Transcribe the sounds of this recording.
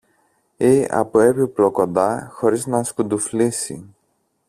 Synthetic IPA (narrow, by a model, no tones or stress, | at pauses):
iɐ̰poe̞piplo̞ko̞nd̪ɐxo̞ɾiznɐskund̪uflisḭ